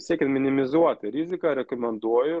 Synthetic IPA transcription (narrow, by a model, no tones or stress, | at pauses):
sʲiɛkʲɛnt̪mʲɪnʲɪmʲɪzuɔt̪ʲɪɾʲɪzʲɪkɑɾʲɛkomʲɛnd̪uɔjʊ